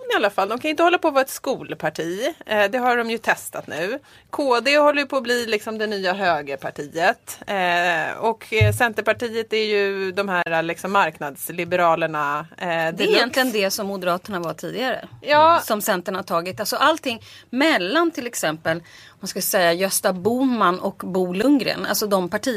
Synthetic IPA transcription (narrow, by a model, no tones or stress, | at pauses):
ɪalːafald̪ɔmkʰanɪnt̪əhɔlːapɔvɑːɛt̪skuːlpʰaʈʰiːd̪ɛɦaɖɔmjɵt̪ʰɛst̪at̪nʉ̟ː | kʰoːd̪ehɔlːəjɵpʰɔːbliːlɪksɔmd̪ɛnyːaɦøːɡəpʰaʈʰiːət̪ | ɔkːsɛnt̪əɾpaʈiːət̪æɾjɵd̪ɔmhæːɾalɪksɔmːaɾknad̪slɪbəɾɑːləɳad̪ɛjɛnt̪lɪɡənd̪ɛsɔmːʊd̪əɾɑːt̪əɳavaʈʰiːd̪ɪɡaɾə̰jɑːsɔmsɛnt̪əɳhaʈʰɑːɡɪt̪alsɔʔalt̪ʰɪŋːmɛlːant̪ʰɪlɛksɛmpəl | manskasɛjːajœst̪abuːmanɔkbuːlɵŋɡɾə̰na̰lsɔd̪ɔmpʰaʈʰiː